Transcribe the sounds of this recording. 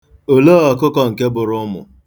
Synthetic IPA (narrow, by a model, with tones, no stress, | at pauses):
o˨lo˦ɔ˨kʊ˦kɔ˦ŋ̩˨ke˦bʊ˨ɾʊ˦mʊ̰˨